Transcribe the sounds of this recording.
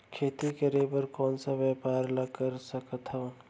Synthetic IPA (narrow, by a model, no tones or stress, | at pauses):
kʰet̪ikəɾebəɾkɔːnsəbəpaɾləkəɾsəkət̪ʰɦõː